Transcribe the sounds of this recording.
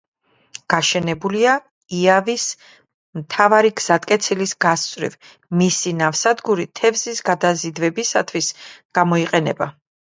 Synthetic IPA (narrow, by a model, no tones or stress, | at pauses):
ɡ̥aʃɛnɛbulia | iavis | mt̪ʰavaɾiɡz̥at̪ʼkʼɛt̪sʰilisɡast̪sʼɾḭv | misinavsad̪ɡuɾit̪ʰɛvzisɡad̪azid̪vɛbisat̪ʰwisɡ̥amɔiqʼɛnɛ̰ba